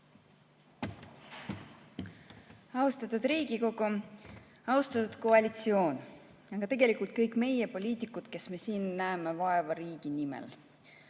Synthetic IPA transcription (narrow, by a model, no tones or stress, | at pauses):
ɑust̪ɑt̪ud̪̥ɾiːɡ̥iko̞ɡu | ɑust̪ɑt̪ud̪̥ko̞ɑlʲit̪sio̞ːn | ɑɡ̥ɑt̪e̞ɡ̥e̞likult̪̚kɤjkme̞je̞po̞lʲiːt̪ikːˑut̪ke̞sme̞siːnːæemevɑe̞vɑɾiːɡ̥inimḛl